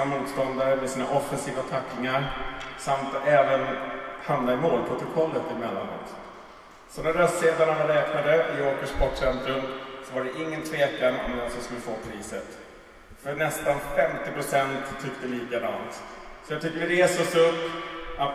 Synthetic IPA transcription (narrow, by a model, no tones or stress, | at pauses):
amuːt̪st̪ɔnd̪aɾəmɛsiːnaʔɔfːɛnsiːvat̪ʰakːɪŋaɾsamt̪ɛːvənhamnaɪmoːlpʰɾʊt̪ʊkʰɔlːət̪ɪmɛlːa̰nɔ̰t̪ | sɔnæɾɾəst̪seːd̪aɳanaɾɛːknad̪əɪoːkəʂbɔʈːʂɛnt̪ɾɵmsɔvaɖɛʔɪŋːənt̪ʰveːkanɔ̰mlasɔsɔmɛfoːpʰɾiːsə̰t̪ | fœɳɛst̪anfɛmt̪ɪpɾʊsɛnt̪ʰːʏkːd̪əliːkad̪a̰nt̪sɔjat̪ʰʏk̚t̪əəɖɛsɔːsɵpːat̪